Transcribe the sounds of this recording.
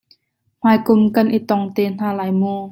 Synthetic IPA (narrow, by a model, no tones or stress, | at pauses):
m̥aːjkʊmkɐnʔit̪ɔŋt̪eːn̥aːlaːjmuː